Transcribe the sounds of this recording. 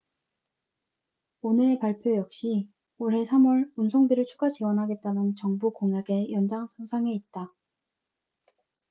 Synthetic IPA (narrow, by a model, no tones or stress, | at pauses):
onɯɭpaɭpʰjojʌk̚ɕ͈i | oɾɦe̞sʰamwʌɭunsʰoŋbiɾɯɭt͡ɕʰuɡat͡ɕiwʌnɦaɡe̞t̚t͈anɯnt͡ɕʌŋbukoŋjaɡe̞jʌnd͡ʑaŋsʰosʰaŋe̞it̚t͈a